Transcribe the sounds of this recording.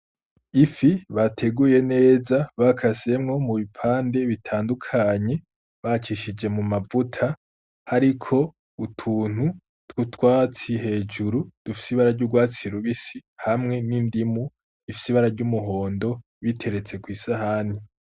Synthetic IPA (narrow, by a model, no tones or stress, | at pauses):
ifiβatʰe̞ɡuje̞ne̞ːzaβakʰase̞mŋo̞muβipʰaːnde̞βitʰaːndukʰaɲe̞ | βat͡ʃiʃid͡ʒe̞mumavutʰa | haɾikʰo̞ | utʰuːn̥hu | tkutwaːt͡siɦe̞ːd͡ʒuɾud̥ufi̥siβaɾaɾɟuɡwaːt͡siɾuβisihamŋe̞nindimu | ifisiβaɾaɾɟumuɦo̞ːndo̞ | βitʰe̞ɾe̞t͡se̞kwiːsahani